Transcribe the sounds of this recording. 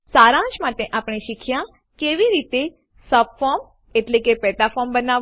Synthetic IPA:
saɾãt͡ʃmaʈeʔapɳ̃eʃikʰjã | keʋiɾit̪e | səbfɔɾm | eʈlekepɛʈ̪afɔmbəna

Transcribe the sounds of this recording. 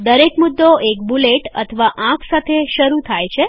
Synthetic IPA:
d̪əɾekmud̪ːoek̚buleʈə̰t̪ʰəʋaʔãkʰsat̪ʰeʃəɾut̪ʰajt͡ʃʰe

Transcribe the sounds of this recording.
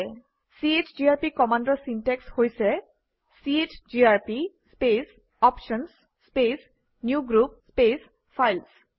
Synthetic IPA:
sietʰd͡ʒiaɹpikɔmandɔsintɛkshojsɛ | sietʰd͡ʒiaɹpispes | ɔpʃɔnsː | pes | njuɡɹup̚spes | pʰajls

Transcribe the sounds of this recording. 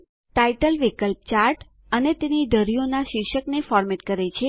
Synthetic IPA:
ʈaiʈəlʋikəlp̚t͡ʃaɾʈ | ənet̪eniɖʱəɾijonaʃɪkʃəknefɔɾmeʈkəɾet͡ʃʰe

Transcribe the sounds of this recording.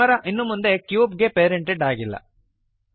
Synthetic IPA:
ɐɾɐʔinːumːund̪e̞kjuːpɡepeːɾeɳʈeɖaːɡilːɐ̰

